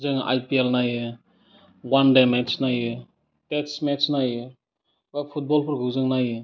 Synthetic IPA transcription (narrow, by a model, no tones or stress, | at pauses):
zɯŋʔa̰jpielnajɯ | wandemet͡ʃnajɯ | tetsmet͡ʃnaj | bapʰut̚bɔlpʰɯɾɡɯwzɯŋnajɯ